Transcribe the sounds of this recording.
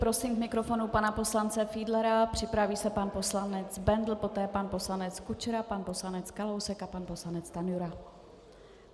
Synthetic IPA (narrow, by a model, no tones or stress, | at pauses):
pɾo̞siːmkmɪkɾo̞fo̞nupanapo̞slant͡sɛfiːdlɛɾapr̝̥ɪpɾaviːsɛpanpo̞slanɛt͡sbɛnd̪l̩po̞t̪ɛːpanpo̞slanɛt͡skut͡ʃɾapanpo̞slanɛt͡skalowsɛkapanpo̞slanɛt͡st̪anjuɾa